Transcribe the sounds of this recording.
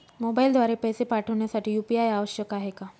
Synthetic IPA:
mobaild̪ʱʋaɾepɛjsepaʈʰəʋɳjasaʈʰiːjupiajaʋəʃjəkaɦeka

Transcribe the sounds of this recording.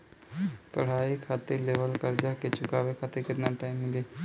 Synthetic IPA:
t̪ɐ̰ɽ̤aikʰat̪eɾleʋəlkəɾd͡ʒaket͡ʃʊkaːʋekʰat̪eɾkɪt̪naʈaːɪmːɪle

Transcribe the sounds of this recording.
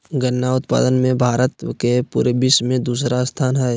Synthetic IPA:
ɡənːaʊt̪pa̰ːd̪ənmẽbʱaːɾət̪kepṵːɾebɪʃmẽd̪uːs̬ɾast̪ʰaːnɦɛɛ

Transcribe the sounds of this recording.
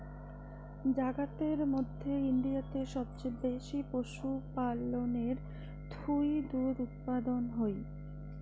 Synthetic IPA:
d͡ʑaɡat̪eɾmod̪ʱːeiɳɖiat̪eʃɔb̚t͡ɕeb̪eʃipoʃupaloneɾ | t̪ʰujd̪uɾut̪̚pad̪onɦoj

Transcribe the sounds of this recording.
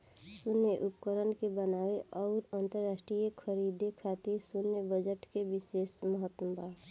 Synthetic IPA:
sʊnːeʔʊpkəɾənkebənaːweʔɔːɾaːnt̪əɾːaːsʈɾijəkʰəɾid̪ʱekʰat̪isʊnːebəd͡ʒəʈkebɪseːʃməɦət̪nəbʱaː

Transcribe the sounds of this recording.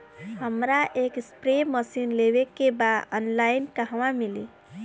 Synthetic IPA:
həmɾaʔekspɾeməsinleβekːebaənlainkəɦʋamilḭ

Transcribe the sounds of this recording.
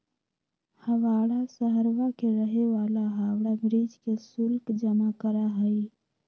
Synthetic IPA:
həʋaːɽasəɦəɾʋakeɾəɦeʋaːlaɦaːwɽaɡɾiːd͡ʒkesʊlkd͡ʒəmakəɾaɦəi

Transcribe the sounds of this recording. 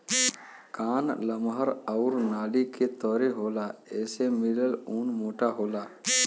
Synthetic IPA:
kaːnləmɦəɾɔʊːɾnaːliket̪ɔːɾeɦoːlaɛːsemɪləluːnmoːʈaɦoːlaː

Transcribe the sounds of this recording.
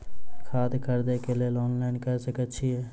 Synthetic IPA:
kʰaːd̪kəɾd̪ekelieloːnlaːɪnkəɾsəkətːʃʰiɦɛː

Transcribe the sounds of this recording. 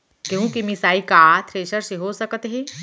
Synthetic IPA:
kjũkimisaːikat̪ʰɾeːʃəɾsiɦosɐkət̪ɦi

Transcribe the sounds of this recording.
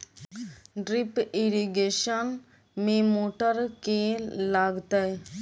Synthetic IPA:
ɖɾɪpɪɾiɡeːʃən | mẽmoːʈəɾkelaːɡt̪ae

